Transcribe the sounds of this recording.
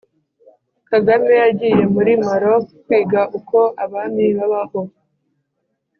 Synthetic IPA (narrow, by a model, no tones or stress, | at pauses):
kaɡamejaɟije̞muɾimaɾokwiːɡaʔuko̞ʔaβamiβaβaho̞